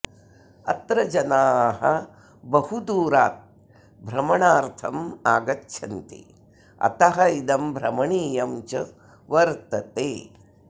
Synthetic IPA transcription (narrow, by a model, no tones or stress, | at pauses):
ɐ̰t̪ɾɐd͡ʒɐnaːɦɐ̰ | bɐhud̪uːɾaːt̪̚ | bʱɾɐmɐɳaːɾt̪ʰɐmaːɡɐtːʃʰɐnt̪ḭ | ɐ̰t̪ɐɦɐid̪ɐmbʱɾɐmɐɳiːjɐmt͡ʃɐ | ʋɐɾt̪ɐt̪eː